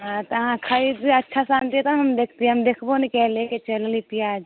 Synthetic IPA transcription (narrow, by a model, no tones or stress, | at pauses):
ɦãt̪ɐɦãkʰaid̪ətːʃʰasãːnt̪iɛt̪ɐnɦɐmd̪eːkʰt̪iẽəmd̪eːkʰbonikɛːleket͡ʃellit̪iaːd͡ʒ